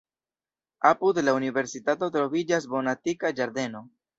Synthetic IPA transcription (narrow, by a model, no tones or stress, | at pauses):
apud̪launive̞ɾsitato̞tɾo̞vid͡ʒas̬bo̞natikad͡ʒaɾd̪e̞no̞